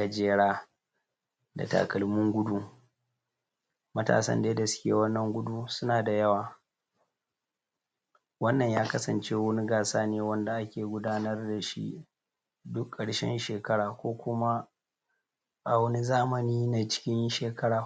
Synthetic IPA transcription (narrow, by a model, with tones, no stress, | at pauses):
a˨d͡ʒeː˦ɽaː˦ | da̰˨ta̰ː˨kɐ˨lmʊ˦ŋɡʷʊ˦du˦ | mɐ˦ta̰ː˨sɐ̰˦nde˦dɐ˨skʲḛː˦wɐ˦nːɐ˨ŋɡʷʊ˦du˦sʊ˦naː˨da˨jɐ˦waː˨ | wɐ˦nːɐ˨ɲjaː˦kɐ˦sɐ˨nt͡ʃeː˦wɐ˦ni˦ɡaː˨saː˦neː˨wɐ˦nda˨ʔa˦kʲeː˨ɡʷʊ˦daː˦nɐ˦rda˨ʃḭ˦ | dʊ˦kʼːɐ˨ɽʃɛ̰˦nʃeː˨kɐ˦ɽaː˨kʷoː˦kʷʊ˦ma˦ | ba˨wɐ˦ni˦zaː˦mɐ˨niː˦na˨t͡ʃɪ̥˦kʲɪ˦nʃeː˨kʰɐ˦ɽaː˨